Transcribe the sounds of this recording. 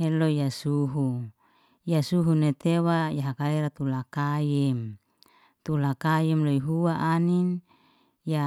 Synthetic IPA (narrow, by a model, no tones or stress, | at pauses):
elojasuɦu | jasuɦunet̪ewajaɦakaleɾat̪ulakajɛm | t̪ulakajɛmloiɦuaʔanin | ja